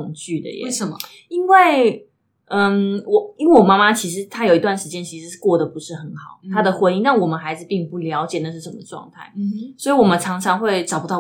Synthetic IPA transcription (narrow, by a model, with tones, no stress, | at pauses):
ʊ˨˩ŋt͡ɕy˥˩d̪ə̰˨˩jɛ̰˨˥ə˨˩ | i˥nwe˥˩ɪ | ə˧nwɔ˨˩i˥ŋwe˥˩wɔ˨˩ma˥ma˦t͡ɕʰi˧˥ʂ̬ɻ̩˧˥t̪ʰa˥jo˨ʊi˧˥t̪wa˥˩nʂɻ̩˧t͡ɕjɛ˥nt͡ɕʰi˧˥ʂɻ̩˧˥˧kwɔ˥˩d̪ə˩pu˧˥ʂɻ̩˥˩xə˧˥nxɑ˨˩˦ʊt̪ʰa˥d̪ə˨xwe˧˥i˥˧ŋna˥˩ŋwɔ˨˩mə˦nxa˧˥ɪd͡zɹ̩˨pi˥˧ŋpu˥˩ljɑ˧˥ʊt͡ɕjɛ˨˩na˥˧ʂɻ̩˥˩ʂə˧˩nmə˩ʈ͡ʂwɑ̰˥˧ŋt̪ʰa˥˩ɪswɔ˧˥i˧wɔ˨˩mə˨˦nʈ͡ʂʰɑ˧˥ŋʈ͡ʂʰɑ˧˥˦ŋxwe˥˩ɪʈ͡ʂɑ˨˩ʊpu˦t̪ɑ˥˩